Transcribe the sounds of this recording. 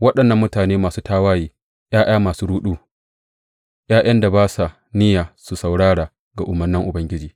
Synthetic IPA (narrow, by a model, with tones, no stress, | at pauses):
wɐ˦ɗɐ˨nːɐ˦mːʊ˦taː˨neː˦maː˨suː˦taː˦waː˦jiː˨ | j̰aː˦j̰aː˦maː˨suː˦ɽuː˦ɗuː˦ | j̰aː˦j̰ɐ˦nda˨baː˦sa˨ | nɪ˦jaː˨su˨sa˨wɽaː˦ɽaː˨ | ɡa˨ʔʊ˨mɐ˨rnɪ˦ŋʔʊ˨bɐ˦ŋɡʲɪ˦d͡ʒiː˨